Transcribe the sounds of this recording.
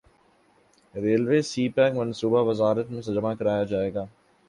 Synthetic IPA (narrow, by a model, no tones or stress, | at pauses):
ɾeːlʋeːsiːpɛ̃ːkmɐ̃nsuːbaʋɐzaːɾət̪mẽsɐd͡ʒəmakɐɾaːjad͡ʒaːeːɡaː